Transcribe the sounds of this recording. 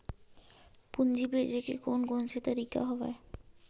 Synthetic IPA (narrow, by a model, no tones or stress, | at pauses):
pund͡ʑibed͡ʑekekonɡɔnʃʰet̪aɾika̰ɦɔbḛe